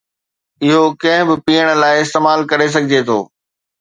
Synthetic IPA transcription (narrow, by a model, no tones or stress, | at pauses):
ɪɦokɐ̃ɦɪ̃bɪpiːəɽ̃̆laːɪɪst̪eːmaːlkɐɾes̬ɐɡʱɪd͡ʑet̪ʰo̰ː